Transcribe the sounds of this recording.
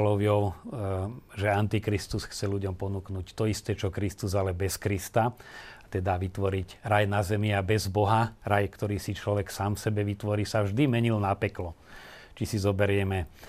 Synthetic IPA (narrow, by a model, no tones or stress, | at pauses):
lɔʋjɔʊ | ʒɛant̪ikɾist̪usxt͡sɛluɟɔmpɔnuknuːct̪ɔist̪ɛt͡ʃɔkɾist̪uzalɛbɛskɾist̪at̪ɛd̪aʋit̪ʋɔɾicɾajnazɛmɪabɛzbɔɦaɾajkt̪ɔɾiːsit͡ʃlɔʋɛksaːmfsɛbɛʋit̪ʋɔɾiːsavʒd̪imɛɲilnapɛklɔ | t͡ʃisizɔbɛɾɪɛmɛ